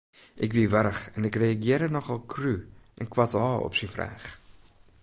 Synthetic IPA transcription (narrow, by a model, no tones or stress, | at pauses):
ʔɛkvivəɾχɛnɛkriɐɡiəɾənɔχɐlˠkruʔɛnkwɐtɑːɔ̰psifrɛ̰ːχ